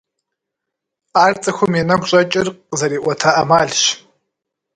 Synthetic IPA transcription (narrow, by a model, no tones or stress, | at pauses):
aːrt͡sʼɐxʷʊmenɐɡʷɕʼɐt͡ʃʼɪrqzɐɾiːʔʷɔtʰaʔɐmaːɮʃ